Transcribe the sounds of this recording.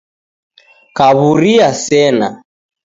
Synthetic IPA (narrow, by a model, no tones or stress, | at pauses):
kaβuɾiasɛna